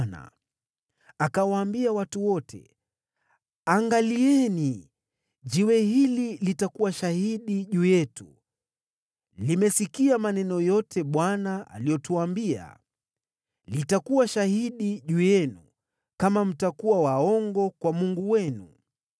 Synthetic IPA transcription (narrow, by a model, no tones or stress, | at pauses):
na̰ | akawaːmbiawatuwɔtʰɛ̰ | aŋɡaliɛni | ʄiwɛɦililitakuwaʃahiɗiʄujɛtu | limɛsikiamanɛnɔjɔtʰɛɓwanaʔa̰lijɔtuwambia̰ | litakuwaʃahiɗiʄujɛnu | kamam̩takuwawaɔŋɡɔkwamuŋɡuwɛnṵ